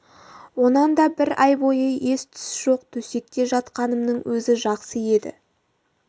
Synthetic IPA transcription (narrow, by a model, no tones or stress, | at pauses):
wo̞nɑnd̪ɑbɪɾɑjbo̞jəʔe̞st̪ʰʏ̥sʒ̥o̞qt̪ʰɵse̞kk̪ʲːe̞ʒɑt̪qɑnəmnəɴwʔɵzɪʒɑqsəje̞d̪ɪ̰